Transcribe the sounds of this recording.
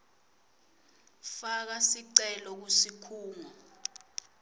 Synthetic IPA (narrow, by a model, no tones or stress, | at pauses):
fak̬asiǀɛlɔk̬usikʰuːŋa